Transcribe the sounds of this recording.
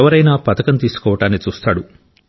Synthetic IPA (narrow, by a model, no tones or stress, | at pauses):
ʋɐɾɐjnaːpɐt̪ɐkɐnt̪iːsu̥kɔːʋɐʈaːnːit͡ʃuːst̪aːɽu